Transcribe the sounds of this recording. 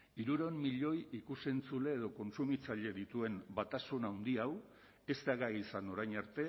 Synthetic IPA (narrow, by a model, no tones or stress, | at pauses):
iɾuɾommiʎo̞jikuse̞nt͡sule̞ːð̞o̞ko̞nsumit͡saʎe̞ðit̪ue̞mbat̪asunawnd̪iaw | e̞zt̪aɣaisano̞ɾajɲaɾt̪e̞